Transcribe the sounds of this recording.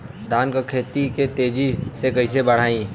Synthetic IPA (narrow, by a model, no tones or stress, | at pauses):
d̪aːnkakʰeːt̪iket̪eːd͡ʒisekɐisebɐɽ̤aːĩ